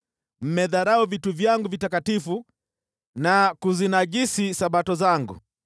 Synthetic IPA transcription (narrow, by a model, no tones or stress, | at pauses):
m̩mɛðaɾauvituvjaŋɡuvitakatifu | nakuzinaɡisisaɓatɔzaŋɡṵ